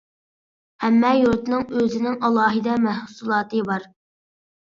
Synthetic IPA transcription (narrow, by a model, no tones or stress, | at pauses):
hɛmːɛjuɾt̪nɨŋøzɪnɪŋɑlˠɑːɦɨd̪ɑmæhsulˠɑːt̪ɨbɑɾ